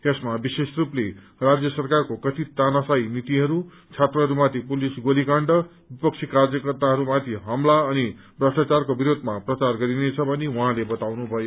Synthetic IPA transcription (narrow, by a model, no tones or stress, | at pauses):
t̪esmabisesruple | rad͡zjʌsʌrkarkokʌt̪it̪anasajnit̪iɦʌɾu | t͡sʰet̪rʌɦʌɾumat̪ʰipulisɡolikaɳɖʌ | bipʌk̚t͡sʰikarjʌkʌrt̪aɦʌɾumat̪ʰiɦʌmlaʌni | brʌsʈat͡sarkobiɾod̪ʱmaprʌt͡sarɡʌɾinet͡sʰʌbʱʌniwʌɦãlebʌt̪awnubʱʌjo